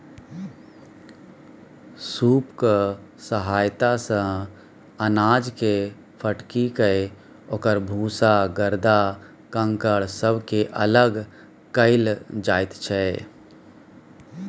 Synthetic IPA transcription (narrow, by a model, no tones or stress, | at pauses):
suːpksəɦaːjt̪asə̃ | ənaːd͡ʒke | pʰəʈkikee | oːkəɾbʱuːsaɡəɾd̪a | kə̃ŋkəɭsəbʱkeʔələɡ | kəɪld͡ʒaːɪt̪t͡ʃʰɛː